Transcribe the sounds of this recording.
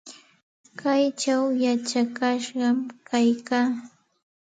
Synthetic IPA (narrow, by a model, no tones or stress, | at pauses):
kajt͡ʃawjat͡ʃakaʃɢɑmkajkaː